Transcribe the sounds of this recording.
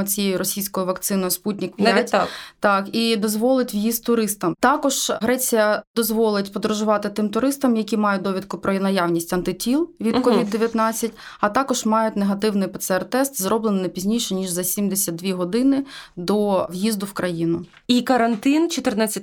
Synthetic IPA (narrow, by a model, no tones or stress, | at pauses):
t͡sʲijɛjʊɾɔsʲijsʲkɔjʊʋɐkt̪sɪnɔjʊsputʲnʲikpʲjatʲt̪ɑkid̪ɔzʋɔlˠɪtʲʋjist̚ʲt̪ʊɾɪst̪ɐmt̪ɑkɔʒɦɾɛt͡sʲijɐd̪ɔzʋɔlˠɪtʲpɔd̪ɾʊʒʊʋɑt̪ɪt̪ɪmt̪ʊɾɪst̪ɐmjɐkʲimɑjʊd̪ɔʋʲid̪kʊpɾɔnɐjaʋnʲisʲtʲɐnt̪ɪtʲilˠʋʲid̪kɔʋʲid̪d̪ːeʋʲjɐt̪nɑt͡sʲːɐtʲɐt̪ɑkɔʒ̥mɑjʊtʲneɦɐt̪ɪwnɪjpɛt̪sɛɛrt̪ɛst̪zɾɔblˠennɪpʲizʲnʲijʃɛnʲiʒzɐsʲimd̪esʲɐd̪̚d̪ʲʋʲiɦɔd̪ɪnɪd̪ɔʋjizd̪ʊwkɾɐjinʊ | ikɐɾɐnt̪ɪnt͡ʃɔt̪ɪrnat͡sʲːɐ